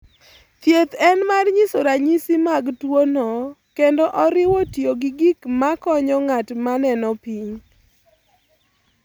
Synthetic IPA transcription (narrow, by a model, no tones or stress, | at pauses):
t̪jet̪ɛnmarɲisoɾaɲisimaɡtwonɔkendɔʔɔɾɪwotjoɡiɡikmakɔɲɔŋatmanɛnɔpiɲ